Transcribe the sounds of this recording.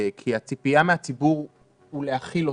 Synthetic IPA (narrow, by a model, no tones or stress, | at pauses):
kʰiat͡sipiameat͡sibuʁ | ulehaχilo